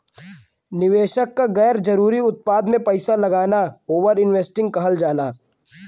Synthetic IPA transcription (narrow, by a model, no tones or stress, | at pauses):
nɪʋeːʃəkːaɡɛːɾd͡ʒɐɾuːɾiʊt̪̚paːd̪mẽpɐɪsalɐɡaːnaoːʋəɾɪnʋeːsʈɪ̃ŋɡ̚kɐɦəld͡ʒaːnaː